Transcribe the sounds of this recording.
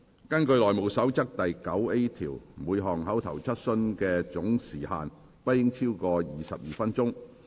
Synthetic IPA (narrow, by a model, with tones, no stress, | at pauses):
kɐ˥nkɵ˧ɥlɔː˨jmo˨˧wsɐ˨˥wt͡sɐ˥k̚t̪ɐ˨jkɐ˨˥we˥jt̪ʰiː˨˩wmuː˨˧jɦɔː˨˩ŋɦɐ˨˥wt̪ʰɐ˨˩wt͡sʰɐ˥t̚sɵ˧nkɛː˧t͡sʊ˨˥ŋsiː˨˩ha̰ː˨n | pɐ˥t̚ːɪ˥ŋt͡sʰiː˥wkɔː˧jiː˨˩sɐ̰˨p̚jiː˨fɐ˥nt͡sʊ˥ŋ